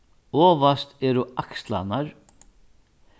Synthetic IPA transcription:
ɔːʋast̪ɛːɾuakst̪la̰naɾ

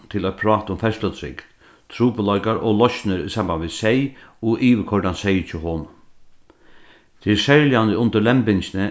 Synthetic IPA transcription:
t̪ʰɪlɔpʰɾɑːt̪ʊmfɛst̪lət̪ʰɾɪ̰kt̪ | t̪ʰɾuːpəlɔjkaɾɔlɔʃnəɾisambanʋɪsɛjɔʔiːʋəkʰɔɹdansɛjt͡ʃʰɪɦoːn | t̪ʰɪsɛɹljanəʊnt̪əlɛmpɪnt͡ʃɪnə

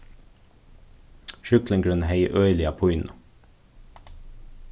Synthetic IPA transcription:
ʃʏkləŋɡɽʉnheɪʔœʏlɪɑpʰʊʏnɑ

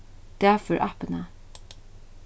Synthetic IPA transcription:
d̪̥ææfɔɹʔɑ̰pənə

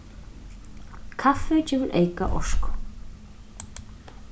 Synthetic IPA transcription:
kʰafʏcɪvʏlʔḛːjka̰ʔɔ̰sk

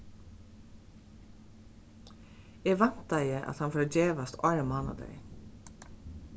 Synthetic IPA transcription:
eːʋɛn̥t̪ajəʔa̰t̪hɑnfɔːɾd͡ʒeːʋast̪ɑɹmɑːna̰d̪ɛ̰ɪ

